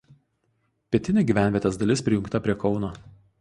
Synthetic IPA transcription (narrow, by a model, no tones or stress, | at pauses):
pʲiɛt̪ʲɪnʲɪɡʲiːʋʲæˑnʲʋʲiɛt̪ʲesd̪ɐlʲɪspʲɾʲɪjʊ̃ŋkt̪ɐpʲɾʲiɛkɒʊnoː